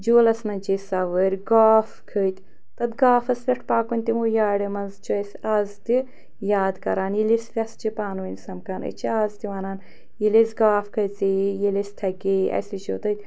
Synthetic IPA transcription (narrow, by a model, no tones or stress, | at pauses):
d͡ʒoːlɐsnɐnt͡ʃisɐʋəɾʲɡaːfkʰət̪ʲ | t̪ɐt̪ɡaːfɐsfʲeʈʰpaːkunʲt̪imuːjaːɽɐmɐnzt͡ʃʰiɐsʲaːzt̪i | jaːd̪kɐɾaːnjilisfʲɐst͡ʃipaːnənʲsɐmkanɐ̰t͡ʃʰiaːzt̪iʋaːnaːn | jilesʲɡaːfkʰɐt͡sijilʲist̪ʰɐkiɐ̰sit͡ʃoːt̪ɐt̪ʲ